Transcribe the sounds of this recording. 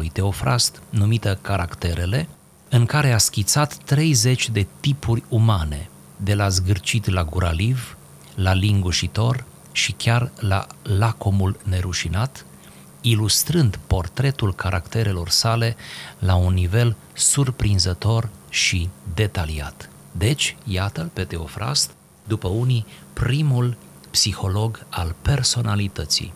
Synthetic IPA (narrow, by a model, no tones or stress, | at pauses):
ujt̪e̞o̞fɾʔa̰st̪numit̪əkaɾakt̪e̞ɾe̞le̞ | ɨŋkaɾe̞askʲit̪sat̪ːɾe̞jze̞t͡ʃʲd̪e̞t̪ipʰurʲumane̞̰ | d̪e̞lazɡɨrt͡ʃit̪laɡuɾʔa̰liv | laliŋɡuʃit̪o̞r | ʃikʲarla̰lako̞mulne̞ɾuʃinat̪ | ilust̪ɾɨnd̪po̞rt̪ɾe̞t̪ulkʰaɾʔakt̪e̞ɾe̞lo̞rsale̞launːive̞l | surpɾinzət̪o̞rʃid̪e̞t̪alia̰t̪ | d̪e̞t͡ʃʲjat̪əpe̞t̪e̞o̞fɾa̰st̪ | d̪upəunipɾimul | psixo̞lo̞ɡalpe̞rso̞nalit̪ət̪sḭj